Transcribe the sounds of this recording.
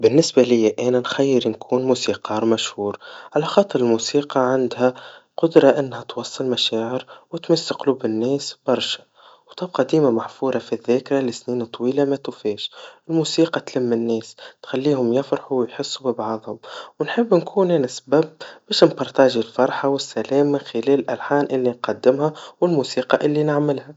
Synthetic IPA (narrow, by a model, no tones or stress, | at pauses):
bɪnːɪsbalɪjːaʔæːnænxæjːɪɾnkʰuːnmuːsiːqɑːɾˤmæʃhuːɾʕalaxɑːt̪ˤːɨɾˤɪlmuːsiːqɑʕand̪hæqʊd̪ɾˤɑʔɪnːhæt̪wɑsˤːɨlmaʃaːʕɪɾwɪt̪mɪsːɪqluːbɪnːɛːsbɑɾˤʃḁ | wt̪ˤɑbqɑd̪iːmamaħfuːɾˤɑfiðːeːkɾalɪsniːnt̪ˤːwiːlamæt̪uːfiːʃɪlmuːsiːqɑt̪lɪmːɪnːɛːst̪xalːiːhʊmjɪfɾɑħuwɪjħɪsːubɪbʕɑðˤhʊmwnħɪbːnkʰuːnʔænasbæb̚bɛːʃnbɑɾˤt̪aʒilfɑɾˤħɑwɪsːælɛːmːɪnxɪlɛːlɪlʔælħaːnʔɪlːinqɑd̪ːɪmhawɪlmuːsiːqɑʔɪlːinɪʕmɪlha